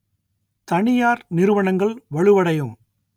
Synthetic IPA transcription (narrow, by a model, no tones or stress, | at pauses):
t̪ɐɳɪjaːɾnɪɾɯʋɐɳɐŋɡɐɭʋɐɭɯʋɐɽɐjɯm